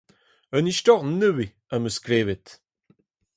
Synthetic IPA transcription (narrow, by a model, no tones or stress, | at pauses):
əniʃtɔʁnəwi | əməskɾeːvɪt̪